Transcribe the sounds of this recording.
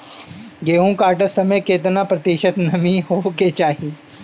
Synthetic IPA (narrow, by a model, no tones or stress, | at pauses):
ɡeːɦũkaːʈəsɐməjkeːt̪napɾɐt̪iʃət̪nɐmiɦoket͡ʃaːɦiː